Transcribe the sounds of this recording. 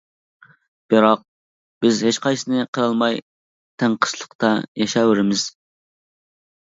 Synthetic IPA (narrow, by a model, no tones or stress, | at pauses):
b̥ɨɾɑq̚ | b̥ɪzɦet͡ʃqɑjsɨnɨqʰəɾɑlˠmɑj | t̪ʰæŋqʰə̥ʃlˠəqt̪ʰɑjɑʃɑwɪɾɪmɪz̥